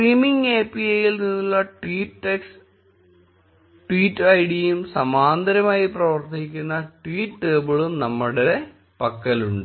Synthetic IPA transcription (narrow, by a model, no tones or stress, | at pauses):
sriːmiŋɡeːpːiɐjilninːuɭːɐʈwiːʈːeks | ʈwiːtːɐɐjɽijumsɐmaːnd̪ɐɾɐmaːjiprɐʋɐrt̪ikʲːunːɐʈwiːʈːeːbɐɭumnɐmːuɽele | pɐkːɐluɳɖɨ